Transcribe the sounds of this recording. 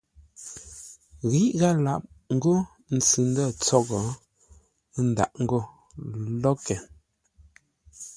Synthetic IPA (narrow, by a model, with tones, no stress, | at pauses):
ɣi˦ʔɣa˦la˦˨p̚ | ŋ̩˦ɡo˦ | n̩˨t͡sɨ˨n˦dɔ˦˨t͡sɔ˦ɡɔ˨˦ | n̩˨da̰˨ʔŋ̩˦ɡo˦˨ | lɔ˦kɛ˨